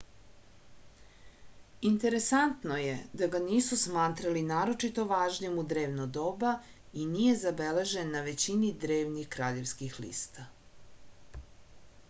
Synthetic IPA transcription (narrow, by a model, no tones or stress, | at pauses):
int̪e̞ɾe̞sant̪no̞jed̪aɡaniːsusmaːt̪ɾalinaːɾo̞t͡ʃit̪o̞ʋaːʒɲemud̪ɾe̞ːʋnod̪oba | inije̞zabele̞ʒenːaʋe̞t͡ɕinid̪ɾeːʋnixkɾaːʎe̞ʋskixlḭːst̪a